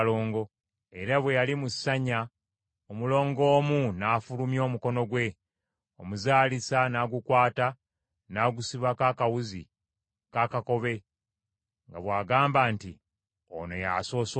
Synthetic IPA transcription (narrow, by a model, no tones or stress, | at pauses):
lo̞ːŋɡo̞ | e̞ɾaβwe̞jalimusːaɲa | omulo̞ːŋɡo̞ːmunaːfulumjo̞ːmuko̞no̞ɡwe̞ | omuzaːlisanaːɡukwaːta | naːɡusiβakaːkawuzḭ | kaːkako̞βe̞ | ŋɡa̰βwaːɡaːmbaːnti | o̰no̞ja̰so̞ːs